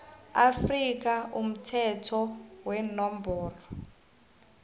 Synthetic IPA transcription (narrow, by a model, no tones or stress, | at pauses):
afrik̬aʔum̩tʰɛtʰɔwɛnɔmbʱɔːrɔ